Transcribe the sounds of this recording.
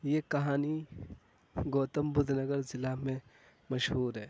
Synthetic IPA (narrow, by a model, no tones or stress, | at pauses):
jekɐɦaːni | ɡoːt̪əmbʊd̪ʱnəɡəɾzɪlamẽ | mɐʃɦuːɾɦɛː